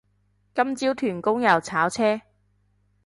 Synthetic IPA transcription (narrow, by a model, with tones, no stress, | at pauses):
kɐ˥mt͡siː˥wt̪ʰyː˨˩nkʊ˥ŋjɐ˨˩wt͡sʰaː˨˥wt͡sʰɛː˥